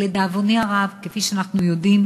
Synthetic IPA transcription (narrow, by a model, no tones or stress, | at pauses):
led̪aːvoniaʁavkefiʃeanaχnujo̞d̪im